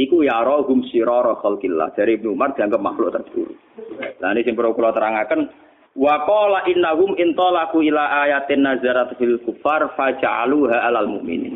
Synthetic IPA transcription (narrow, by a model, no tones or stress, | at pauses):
ʔikujaɾɔɦʊmsiɾɑɾɑxalkilːa̰hd̪̥aɾibnuumard̪̥iaŋɡəpma̰xlʊʔt̪ərbə̥t̪ṵɾṵ | lanisɪŋpəɾokulɔt̪əɾaŋakən | waqɔlaʔɪnːaɦʊmʔɪnt̪ˤɑlakuʔilaʔajat̪ɪnːazaɾat̪filkufːarfad͡ʒaʕa̰luɦaʔalalmʊʔmḭnḭːn